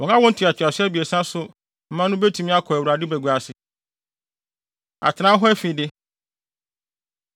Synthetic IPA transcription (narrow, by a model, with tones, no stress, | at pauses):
ɔ˨ã˦wɔ̃˦n̩˦tʰi˨a˨t͡ɕʰɪ˨a˨sɪ˦æ˦bi˨e˨sã˦sʊ˦ | m̩˦mã˦nʊ̃˦be˦tʰũ˨mĩ˦a˦kʰɔ˨æ˨wu˨ɾa˨dɪ˦bæ˨ɡu˨a˨sɪ˨ | a̰˨tʰɪ˨nã˦ɦɔ˦æ˦fi˨dɪ˦